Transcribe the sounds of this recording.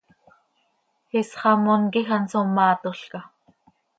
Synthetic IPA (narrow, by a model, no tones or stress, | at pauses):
xɪsχɑmonkixansomːɑːt̪oɬkɑ